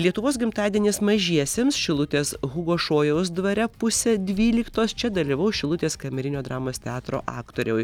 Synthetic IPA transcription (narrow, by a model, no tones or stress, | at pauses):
lʲiɛt̪ʊʋoːsɡʲɪmt̪ɑːd̪ʲeɛnʲeːsmɐʒʲiɛsʲeːmsʃʲɪlˠʊt̪ʲeːsɣʊɡoːʃoːjɛʊsd̪ʋɐɾʲɛpʊsʲɛd̪ʲʋʲiːlʲɪkt̪oːst͡ʃʲɛd̪ɐlʲiːʋɐʊʃʲɪlˠʊt̪ʲeːskɐmʲɛɾʲɪnʲoːd̪ɾɑːmoːst̪ʲɛɑːt̪ɾo̰ːʔɑːkt̪oːɾʲɛʊj